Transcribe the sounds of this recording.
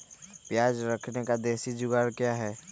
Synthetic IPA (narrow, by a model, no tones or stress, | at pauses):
pjaːd͡ʒɾəkʰnekad̪eːsid͡ʒʊɡaːɾkjaɦɛː